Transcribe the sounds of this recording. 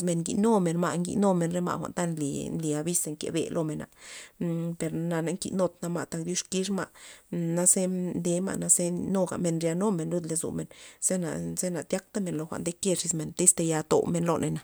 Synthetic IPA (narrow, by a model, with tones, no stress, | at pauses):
me˧˨ŋŋɡḭ˨no˦me˨nma˧ʔŋɡḭ˧no˦me˧˨nɾe˦ma̰˧˨xʷa̰˨nt̪a˦nlḭ˨nli˨a˧bi˦se˧ŋkḛ˨bḛ˨lʔo˧me˨na̰˨ | pe˨˧ɾna˧na˧ŋkḭ˧no˧t̪na˧ma˨t̪a˧k̚d̪ju˦ʂki˧˦ʂ̬ma̰˧˨na˦se˦nd̪e˧˦ma̰˧ʔna˧se˦no˦ɡa̰˨me˧nɾja˧no˦me˨nlu˦d̪le˧zṵ˨me˨nz̥e˦na̰˨ze˦na˨t̪ʲja˦k̚t̪a˦me˨nlo˧xʷa̰˨nd̪e˦ke˦˧ʂi˧sme˨nt̪e˦st̪e˧ja˧t̪o̰˨me˧nlo̰˧nʔe˧na˨